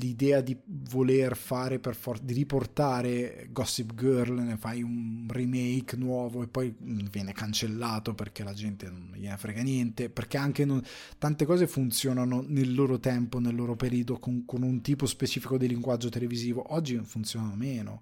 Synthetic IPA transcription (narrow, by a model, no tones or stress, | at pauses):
lid̪ɛːad̪ivolerfaːɾeperfɔd̪iɾiport̪aːɾeɡɔsːipɡørlnefajunrimejknwɔːvoepːɔjnnvjɛːnekant͡ʃelːaːt̪operk̟elad͡ʒɛnt̪enonvjɛːnefɾɛːɡanjɛnt̪eperk̟eaŋk̟enon | t̪ant̪ekɔːzefunt̪sjoːnanonelːoːɾot̪ɛmponelːoːɾopeɾiːod̪okoŋkonunt̪iːpospet͡ʃiːfikod̪iliŋɡwad͡ʒːot̪eleviziːvoʔɔd͡ʒːinfunt̪sjoːnanomeːno̰